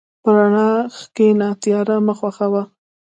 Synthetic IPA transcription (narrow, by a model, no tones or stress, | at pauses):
pəɾaɳɑxkenɑt̪jɑɾaməxwaxawa